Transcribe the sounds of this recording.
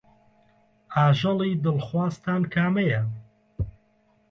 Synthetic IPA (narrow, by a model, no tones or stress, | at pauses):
aːʒɨlˠiːd̪ɨlxwaːst̪ʰaːnkʰaːmɐjɐ